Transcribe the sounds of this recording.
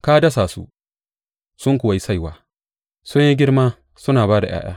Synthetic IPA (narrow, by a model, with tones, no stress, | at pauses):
kaː˦dɐ˦s̬aː˨sṵ˦ | sʊ˦ŋkʷʊ˨wa˨ji˦sa˦˨jwaː˦ | sʊ˦ɲji˦ɡʲɪ˦ɽmaː˦ | sʊ˦naː˨baː˦da˨j̰a̰ː˦j̰aː˦